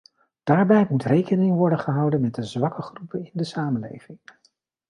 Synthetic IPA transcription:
d̥aːɹbɛjmutrejkənɪŋʋɔɹdənχəɦɑwdənmɛt̚dəzʋɑkəχrupəɪndəsaːmənlḛjv̥ɪŋ

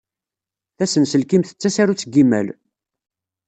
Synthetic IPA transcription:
θæsənsəlkimθə̥t͡sːæsaɾut͡sːəɡːimːæl

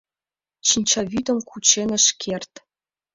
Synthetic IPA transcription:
t͡ɕinʲt͡ɕɑβyt̪ə̆mkut͡ɕenə̆ʃkʰert̪

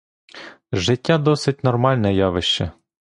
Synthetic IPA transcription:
ʒɪtʲːad̪ɔsɪt̚ʲnɔrmɑlʲnɛjɑʋɪʃt͡ʃɛ

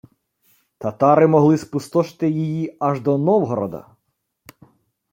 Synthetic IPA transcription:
t̪ɐt̪ɑɾɪmɔɦlˠɪspʊst̪ɔʃt̪ɪjijiɐʒd̪ɔnɔwɦɔɾɔ̰d̪ɐ̰

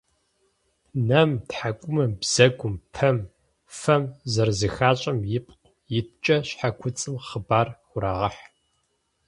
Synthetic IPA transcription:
nɐmtħakʷʼʊmɐmbz̥ɐɡʷʊmpʰɐm | fɐmzɐrzɨxaːɕʼɐmjɪpʼqʷ | jɪt̚t͡ʃʼɐɕħakʷʰʊt͡sʼɨmχəbaːrxʷʊɾaːʁɐħ

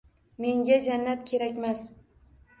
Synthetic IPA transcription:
me̞ŋɡʲad͡ʒanːat̪kʲʰe̞ɾakʲmas

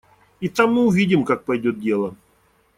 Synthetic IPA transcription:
it̪amːɨʊvʲidʲɪmkak̚pɐjdʲot̪̚dʲe̞lˠə

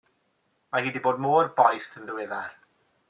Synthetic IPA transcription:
mahiːdiboːdmoːrbɔjθənðəwɪðar

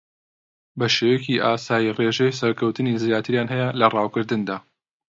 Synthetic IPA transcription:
bɐʃeweːciʔaːsaːjireʒejsɐɾkʰɐwt̪ɨnizjaːt̪ʰɨɾjaːnɦɛjɛlɐrɑːwkɨɾd̪ɨnd̪aː

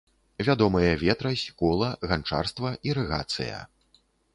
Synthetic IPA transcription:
vʲad̪ɔmɐjɐvʲɛt̪ɾɐsʲkɔlˠɐɣant͡ʂa̰rst̪vɐʔiɾɛɣa̰t̪sɨ̰jɐ̰

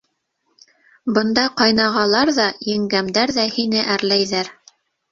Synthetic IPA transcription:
bɤ̆nd̪ɑqɑjnɑʁɑlˠɑɾðɑjɘ̆ŋɡæmd̪æɾðæhinɘʔæɾlæjðæɾ

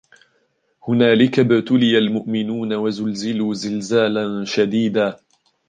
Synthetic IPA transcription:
hʊnaːlɪkabɪt̪ʊlɪjalmʊʔmɪnuːnawazʊlzɪluːzɪlzaːlanʃad̪iːd̪aː

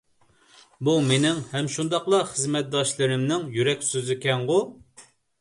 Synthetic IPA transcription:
bumenɪŋhɛmʃund̪ɑqlˠɑχəzmɛt̪̚d̪ɑʃlˠɨɾɪmnɪŋjyɾɛkʲsøzɪkʲɛŋʁʊ

